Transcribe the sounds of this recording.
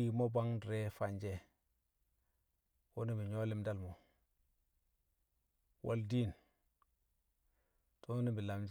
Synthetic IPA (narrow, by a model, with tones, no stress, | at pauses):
i˦˨mo˦ba˦ŋdɾe˦fa˨nd͡ʒe˦ | wo˦ni˦bi˨ɲo˦li˦mda˦lmo˨ | wʔa̰˦ldi˦˨n | to˦ni˦bi˨la˨md͡ʒ